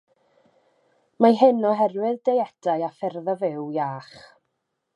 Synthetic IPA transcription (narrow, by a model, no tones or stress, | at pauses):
maɦɪnɔɦɛrwɪðdejɛd̥ajafɛrðavɪwjaːχ